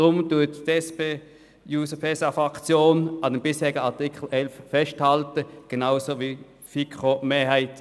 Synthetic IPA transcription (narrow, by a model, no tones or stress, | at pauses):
ʁʊmtuɐttɛspeː | juːsəpʰɛsafʁɑkt͡sjoːnɑdɛmbɪshɛːɪɡəɑɐtikʰl̩ʔɛlffɛsthaltəɡ̥enaʊsovi | fikʁomeːɐhæɪt